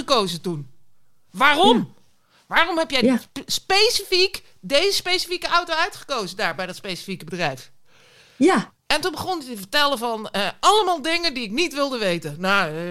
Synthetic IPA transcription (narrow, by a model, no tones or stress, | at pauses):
əkowzətun | ʋaːrɔm | ʋaːrɔmɦɛpjɛjspejsifik | dejzəspejsifikəawtoœɥtχə̥kowzədaːɹbɛjdɔtspejsi̥fikəbədrɛjf | ɛntunbəχontəvəɹtɛləvɔnəʔɑləmaːlˠdɪŋəndiɪknitʋɪlˠdəʋejtəna